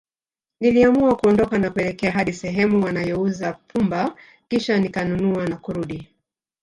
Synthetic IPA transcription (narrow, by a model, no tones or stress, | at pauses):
niliamuakuɔndɔkanakuɛlɛkɛaɦaɗisɛɦɛmuwanajɔuzapʰumba | kiʃanikanunuanakuɾuɗi